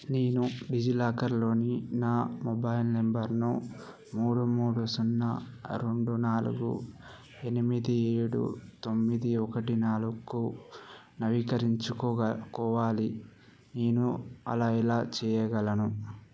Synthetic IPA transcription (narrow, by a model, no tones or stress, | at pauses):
neːnuɖid͡ʒilaːkɐɾlo̞ːninaːmɔbɐjilnembɐɾnu | muːɽumuːɽusunːɐ̰ɾe̞ɳɖunaːlṵɡṵ | enimid̪ieːɽṵt̪omːid̪iɔkɐʈinaːlukːu | nɐʋikɐɾiɲt͡ʃukɔkɔːʋaːli | neːnuɐ̰laːilaːt͡ʃɛːjɐɡɐlɐnu